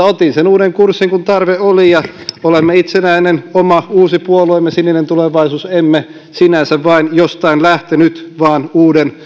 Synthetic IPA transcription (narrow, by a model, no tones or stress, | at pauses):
ot̪insenuːdeŋkursːiŋkunt̪ɑrʋeolijɑolemːeit̪senæinenomɑuːsipuoluemːesininent̪uleʋɑisuːsemːe | sinænsæʋʋɑinjost̪ɑinlæht̪enyt̪ʋɑːnuːden